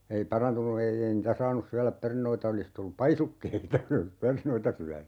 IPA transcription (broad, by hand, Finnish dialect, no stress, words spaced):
ei pɑrɑntunu ei ei niːtæ sɑːnus syælæp pernoitɑ olis tulːup pɑisukːeitɑ jos olis pernoitɑ syæny